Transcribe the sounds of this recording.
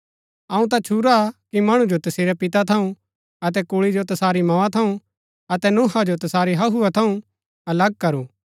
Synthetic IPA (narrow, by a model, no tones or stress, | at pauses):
ɐũt̪̬at͡ʃʰuɾakimɐɽ̃ũd͡ʒot̪ɐseːɾɛpɪt̪at̪ʰɐũ | ɐt̪̬ɛkuːɭid͡ʒot̪ɐsaːɾimɐãt̪ʰɐũ | ɐt̪ɛnuːɦad͡ʒot̪ɐsaːɾiɦɐɦuat̪ʰɐũ | ɐlɐɡ̚kɐɾuː